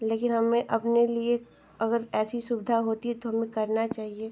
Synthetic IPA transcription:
leːkɪnɦɐmẽʔɐpnelie | ɐɡəɾɛːsisʊbɪd̪ʱaɦoːt̪iɦɛt̪oɦɐmẽkɐɾnat͡ʃaːɦieː

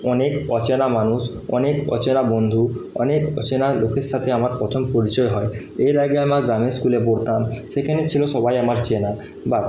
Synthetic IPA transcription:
ɔnekɔt͡ɕenamanus | ɔ̰nekɔ̰t͡ɕenabond̪ʱuɔ̰nekɔ̰t͡ɕenalokʰeɾʃat̪ʰeamaɾpɾɔt̪ʰompɔɾit͡ɕɔeɦɔe | eɾaɡeamaɡɾameskuleboɽt̪amsekʰanet͡ɕʰilosɔbajamaɾt͡ɕena | ba

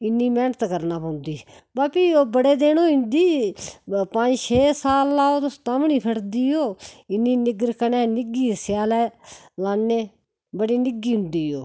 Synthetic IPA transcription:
ɪnːiːmɛːnət̪kəɾnaːpə̃ːʊ̃nd̪iː | baːpiːoːbəɽeːd̪eːnoːɪnd̪iː | pə̃d͡ʒʃʰeːsaːlːaːoːt̪oːst̪aːmɳiːpʰəʈd̪iːɦoːɪnːiːnɪɡɾkənɛ̃ːnɪɡiːəsɪjaːlɛː | laːnːeː | bəɽiːnɪɡiːɦʊ̃nd̪iːɦoː

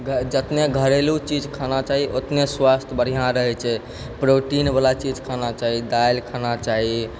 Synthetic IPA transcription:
ɡʱd͡ʒət̪neɡʱəɾelut͡ʃid͡ʒkʰanat͡ʃaɦiʔot̪neswast̪ʰbəɾ̤ijãɾəɦɛt͡ʃʰɛ | pɾoʈinbalat͡ʃid͡ʒkʰanat͡ʃaɦid̪ajlkʰanat͡ʃaɦi

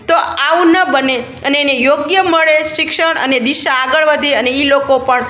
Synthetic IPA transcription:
t̪oaʋũnəbəne | əneːnejoɡjəməɭeʃɪkʃəɳə̰ned̪iʃaːɡəɭʋəd̪ʱeəneilokopəɳ

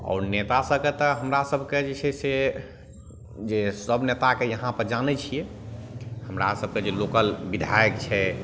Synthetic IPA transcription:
ɔ̰ːɾnet̪asəb̚ket̪əɦəmɾasəbʱked͡ʒit͡ʃʰɛse | d͡ʒesəbʱnet̪akejəɦãpəɾd͡ʒanɛt͡ʃʰijɛ | həmɾa̰səb̚ʱked͡ʒelokəlbid̪ʱajəkt͡ʃʰɛ

